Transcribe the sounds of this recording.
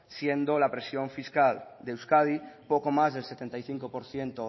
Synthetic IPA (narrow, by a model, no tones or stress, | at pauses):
sje̞nd̪olapɾe̞sjo̞ɱfiskald̪ewskað̞ipokomazðelse̞t̪e̞nt̪ajθiŋkopoɾθje̞nt̪o